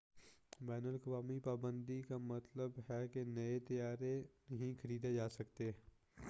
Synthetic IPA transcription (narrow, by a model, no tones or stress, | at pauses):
bɛːnəlkəʋaːmipaːbə̃nd̪ikamɐt̪ləbɦɛkenɐet̪ɐjaːɾenɐɦĩxʰɐɾiːd̪ed͡ʒaːsɐkt̪eː